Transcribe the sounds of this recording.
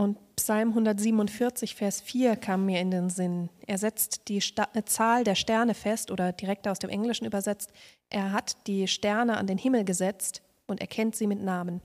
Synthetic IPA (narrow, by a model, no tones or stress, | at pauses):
ʔʊntpsalmɦʊndɐtz̥iːbmʊntfɪɐt͡sɪçfɛːɐsfiːɐkʰaːməmːiːɐɪndeːnzɪnʔeːɐzɛt͡std̥iːt͡saːldeːɐʃtɛɐnəfɛstʔoːdɐdiʁɛk̚taʊsd̥eːmʔɛŋlɪʃn̩ʔyːbɐzɛt͡st | ʔeːɐɦatd̥iːʃtɛɐnəʔa̰ndeːnhɪml̩ɡəzɛt͡st | ʔʊntɛ̰ɐkʰɛntz̥iːmɪtnaːmən